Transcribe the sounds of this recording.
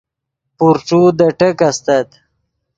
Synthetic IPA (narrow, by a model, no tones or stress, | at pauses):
puɾʈ͡ʂud̪əʈəkast̪at̪